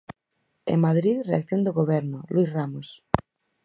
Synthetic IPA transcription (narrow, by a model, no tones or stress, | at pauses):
ḛŋmaðɾiðrea̰kθjond̪oɣoβɛɾnoluisramos